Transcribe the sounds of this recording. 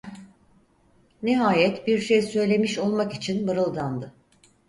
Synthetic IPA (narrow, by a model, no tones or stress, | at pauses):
nɛɦaːjɛt̪biɾʃejsø̞jlʲe̞miʃo̞lˠmakit͡ʃʰinbɯɾɯlˠd̪and̪ɯ